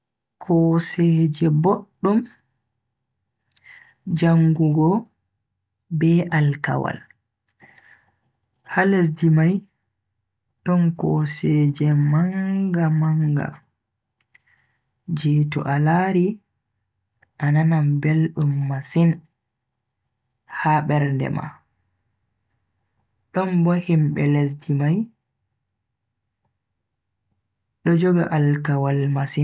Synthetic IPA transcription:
kʰɔsɛːd͡ʒɛboɗːum | d͡ʒaŋɡuɡɔ | bɛʔalka̰wa̰l | hales̬dimaj | ɗɔnkɔ̰sɛd͡ʒɛmaŋɡamaŋɡa̰ | d͡ʒiːtṵʔalaːɾi | ʔananambelɗumːasin | haɓɛɾndɛ̰ma̰ | ɗɔnbohimɓɛles̬dimaj | ɗɔd͡ʒɔɡaʔalkawalmasin

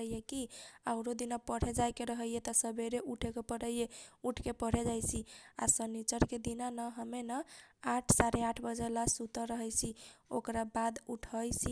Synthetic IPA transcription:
əjekiaʊɾod̪inapəɽ̤ed͡ʒajkeɾəɦəjet̪ɔsəbʱeɾeʔuʈʰekepəɽəjjeuʈʰkepəɽ̤ed͡ʒajt͡ʃʰia̰sənit͡ʃəɾked̪inanəɦəmenəaʈʰsaɾeaʈʰbəd͡ʒəlasut̪əɾəɦəjt͡ʃʰiokɾabad̪uʈʰəjt͡ʃʰi

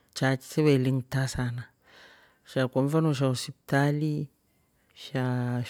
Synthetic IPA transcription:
t͡ʃat͡ʃi̥seweliŋtasana | ʃakomvanuʃ̬ausip̚tali | ʃa

